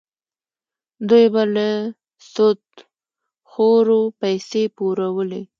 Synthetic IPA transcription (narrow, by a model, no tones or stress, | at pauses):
d̪ujbalə | sot̪ | xoɾopajsepuɾawəle